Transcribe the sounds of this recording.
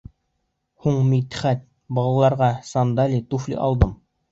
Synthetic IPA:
huɴmit̪ɘ̥χæt̪̚ | bɑlˠɑlˠɑɾʁɑsɑnd̪ɑlʲit̪uflʲḭʔɑ̰lˠd̪ɤm

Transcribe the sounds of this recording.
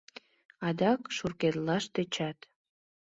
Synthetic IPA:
ɑd̪ɑkʃurket̪lɑʃt̪et͡ɕɑt̪

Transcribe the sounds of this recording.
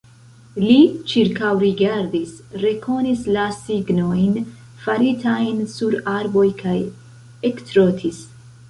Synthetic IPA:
lit͡ʃiɾkawɾiɡaɾdisɾe̞kʰo̞nislasiɡno̞jn | falitajnsuɾaɾbo̞jkʰaj | ektɾotʰis

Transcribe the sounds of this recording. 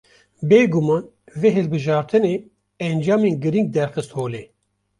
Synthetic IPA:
beːɡumɑːn | veɦɨlbɨʒɑːɾt̪ʰɨneː | ɛnd͡ʒɑːmeːnɡɨɾiŋɡ̚d̪ɛɾxɨst̪hoːleː

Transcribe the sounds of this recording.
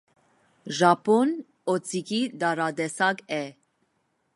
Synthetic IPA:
ʒɑpʰɔn | ɔt͡sʰʼikʰid̪ɑɾɑd̪ɛsɑɡɛ

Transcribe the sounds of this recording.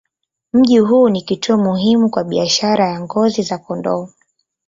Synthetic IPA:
m̩ʄiɦuːnikituɔmuɦimukwaɓiaʃaɾajaŋɡɔzizakɔndɔ̰ː

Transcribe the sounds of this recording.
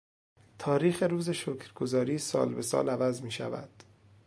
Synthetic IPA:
t̪ʰɒːɾiːxeɾuːzeʃokʰɾɡo̞zɒːɾiːsɒ̰ːlbe̞sɒ̰ːlævæzmiːʃæ̰væ̰d̪̥

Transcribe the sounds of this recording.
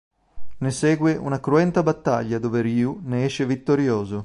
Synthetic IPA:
nesɛːɡweʔṵnakɾuɛnt̪abat̪ːaʎːad̪oːveɾiuneɛʃevit̪ːoɾjoːzo

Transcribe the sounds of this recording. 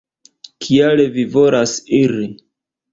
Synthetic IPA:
kʰialevivolasiɾi

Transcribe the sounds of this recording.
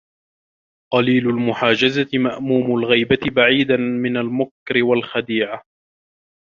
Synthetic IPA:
qɑliːlʊlmʊħaːd͡ʒazat̪ɪmaʔmuːmʊlɣijbat̪ɪbaʕiːd̪anmɪnalmʊkɾɪwalxad̪iːʕa

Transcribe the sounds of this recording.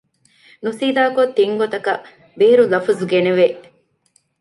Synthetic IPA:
nusiːd̪aːkot̪ːiŋɡot̪ɐkɐ | beːɾulɐfuzuɡeneʋe

